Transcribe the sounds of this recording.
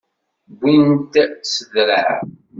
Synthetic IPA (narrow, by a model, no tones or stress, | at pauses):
bːint̪səðɾə̰ʕ